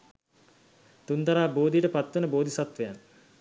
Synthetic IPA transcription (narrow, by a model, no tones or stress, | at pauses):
t̪unt̪ɐɾaːboːd̪ijəʈəpat̪ʋənəboːd̪isat̪ʋəjan